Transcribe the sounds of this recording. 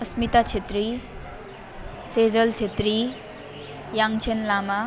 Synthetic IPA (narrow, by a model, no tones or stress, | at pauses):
ʌsmit̪at͡sʰet̪ɾi | sed͡zʌlt͡sʰet̪ɾi | jaŋt͡sʰenlama